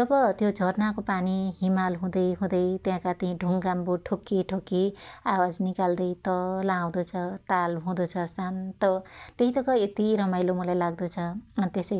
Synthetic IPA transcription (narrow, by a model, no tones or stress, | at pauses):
t̪ʌbʌt̪jod͡zʱʌrnakopaniɦimalɦũd̪ʌjɦũd̪ʌjt̪jãkat̪iĩɖʱuŋɡambuʈʰokːiʈʰokːiawad͡znikald̪ʌjt̪ʌlaːw̃d̪ot͡sʰʌt̪alɦũd̪ot͡sʰʌsant̪ʌt̪eɦit̪ʌkʌet̪iɾʌmajlomʌlajlaɡ̚d̪ot͡sʰʌʌnt̪esʌj